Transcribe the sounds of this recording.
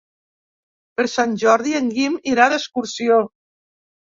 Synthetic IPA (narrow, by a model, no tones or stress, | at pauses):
pəɾsanʲʒɔɾðieŋɡimiɾaðəskuɾsio